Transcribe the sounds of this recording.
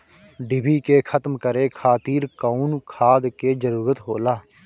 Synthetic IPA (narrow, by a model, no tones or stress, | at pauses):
ɖɪbʱiːkeːkʰət̪mkəɾeːkʰaːt̪iːɾkaunkʰaːd̪keːd͡ʒəɾuːɾət̪ɦoːlaː